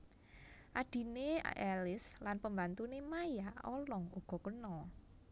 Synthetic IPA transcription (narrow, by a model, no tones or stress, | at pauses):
ʔad̥i̤neɛlɪslanpəmbant̪unemajaʔɔ̰lɔŋuɡ̥ɔ̤kənɔ